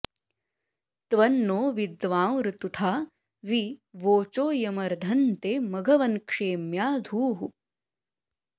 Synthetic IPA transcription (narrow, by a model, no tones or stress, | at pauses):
t̪ʋɐnːoːʋid̪ʋaːwɾɨt̪ut̪ʰaː | ʋiʋoːt͡ʃoːjɐmɐɾd̪ʱɐnt̪eːmɐɡʱɐʋɐnkʂeːmjaːd̪ʱuːɦu